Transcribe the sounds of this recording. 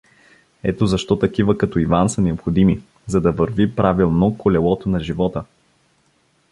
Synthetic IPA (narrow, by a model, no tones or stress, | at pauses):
ɛ̰t̪ozɐʃt̪ɔt̪ɐkivəkɐt̪ɔivansɐnɛopxod̪imi | zɐd̪ɐvəɾvipɾavilˠnokolɛlˠɔt̪onɐʒivɔt̪ə